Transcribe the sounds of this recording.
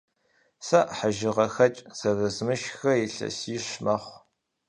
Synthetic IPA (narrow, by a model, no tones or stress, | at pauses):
sɐʔħaʒɪʁɐxɐt͡ʃʼz̥ɐrɨzmɨʃxɐjɪɬɐ̰siːɕmɐχʷ